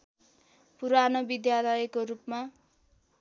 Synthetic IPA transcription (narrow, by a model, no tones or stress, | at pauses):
puɾanobid̪jalʌjekorupma